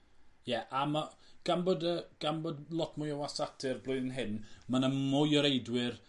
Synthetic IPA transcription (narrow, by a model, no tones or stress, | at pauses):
jɛʔama | ɡ̥anbɔdəɡ̥anbodlˠɔtʰmʊjawasatʰɨrblʊːɨðənɦɪnmanamʊjɔɾejdwɪr